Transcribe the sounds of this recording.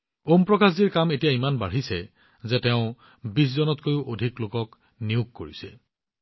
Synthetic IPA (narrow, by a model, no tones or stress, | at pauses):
ompɹɔkas̬diɹkametijaimanbaɹ̤isɛ | zɛtɛʊ̃ | bis̬zɔnɔtkojuʔodʱiklokɔk | niʊkːoɹisɛ